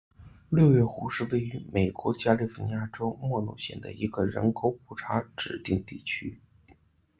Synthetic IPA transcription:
ljo˥˧ʊjɛ˥˩xu˧˥ʂɻ̩˥˧we˥˩ɪy˧˥me˨˩ɪkwɔ˧˥t͡ɕja˥li˥˧fu˥˩n˧˥ja˥˩ʈ͡ʂo˥ʊmwɔ˥˧nṵ˥˩ɕjɛ̰˥˩nd̪ə̰˦i˧˥ɡə˧ɻə̰˧˥nkʰo˨˥ʊpʰu˨˩ʈ͡ʂʰa˧˥ʈ͡ʂɻ̩˨˩t̪i˥˧ŋt̪i˥˩t͡ɕʰy˥

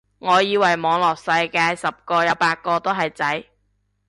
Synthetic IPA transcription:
ŋɔː˨˧jiː˨˧wɐ˨˩jmɔː˨˧ŋlɔː˨˩k̚sɐ˧jkaː˧jsɐ˨p̚kɔː˧jɐ˨˧wpaː˧t̚kɔː˧t̪o˥ɦɐ˨jt͡sɐ˨˥j

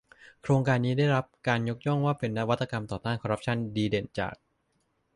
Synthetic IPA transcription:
kʰɾoː˧ŋkaː˧nːiː˦˥da˥˩jɾa˦˥p̚kaː˧njo˦˥k̚jɔ˥˩ŋwaː˥˩pe˧nːa˦˥wa˦˥t̪ʰːa˧ka˧mt̪ɔː˨˩t̪aː˥˩nkʰɔ˧ɾa˦˥p̚t͡ɕʰa˥˩ndiː˧de˨˩nt͡ɕa̰ː˨˩k̚

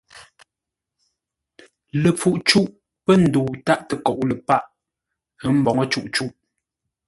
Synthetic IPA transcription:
lə˨p͡fu˨ʔt͡ʃu˦ʔ | pə˦n̩˨duː˨ta˦ʔtə˨kɔ˨ʔlə˨pa˦ʔ | ə˦m̩˦bɔ˨ŋə˦t͡ʃu˦˨ʔt͡ʃu˦˨ʔ

